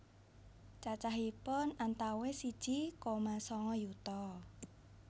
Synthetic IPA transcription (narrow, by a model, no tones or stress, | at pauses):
t͡ʃat͡ʃaɦipʊnant̪awesid̥ʒ̥ikomasɔŋɔjut̪ɔ